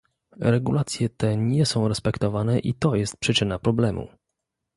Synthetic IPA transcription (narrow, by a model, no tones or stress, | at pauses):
ɾɛɡulat̪sʲjɛt̪ɛɲɛsɔ̃w̃ɾɛspɛkt̪ɔvanɛʔit̪ɔjɛst̪̚pʂɘt͡ʂɘnapɾɔblɛmṵ